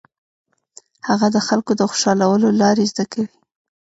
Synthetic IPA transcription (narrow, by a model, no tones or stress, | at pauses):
haɣad̪əxalkod̪əxo̥ʃɑlawəlolɑɾezd̪akawi